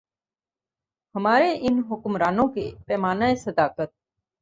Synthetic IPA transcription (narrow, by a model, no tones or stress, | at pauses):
həmaːɾeːʔɪnɦʊkʊmɾaːnõːkḛːpɛːmaːnaːesəd̪aːkət̪̚